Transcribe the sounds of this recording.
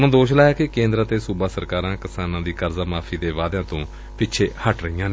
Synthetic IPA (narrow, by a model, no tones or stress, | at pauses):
nãːd̪oːʃlaːjaːkɪkẽːnd̪ɾaːt̪eːsuːbaːsəɾkaːɾãːkɪsaːnãːd̪iːkəɾzaːmaːpʰiːd̪eːʋaːd̪ãːt̪õː | pɪtːʃʰeːhəʈɾəijãːn